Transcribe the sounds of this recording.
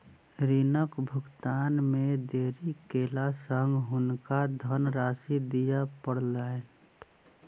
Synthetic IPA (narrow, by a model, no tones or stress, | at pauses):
ɾinəkbʱʊɡt̪aːnmẽd̪eːɾikeːlasəŋɡɦʊnkad̪ʱənɾaːsid̪ijapəɽ̤laːen